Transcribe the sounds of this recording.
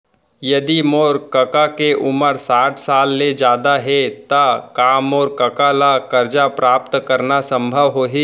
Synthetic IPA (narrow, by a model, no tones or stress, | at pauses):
jɐd̪imoːɾkɐkakeʔʊməɾsaːʈʰsaːlːed͡ʒjaːd̪aɦɛt̪akaːmɔːɾkɐkalakɐɾd͡ʒapɾaːp̚t̪kɐɾnasɐ̃mbʱəʋɦoːɦiː